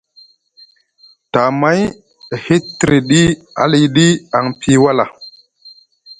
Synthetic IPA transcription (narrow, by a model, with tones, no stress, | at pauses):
ta˨ma˦j | he˦tːɾe˨ɗi˦ | a̰˦li˨ɗi˦a˨ŋpʰi˦wa˦la˨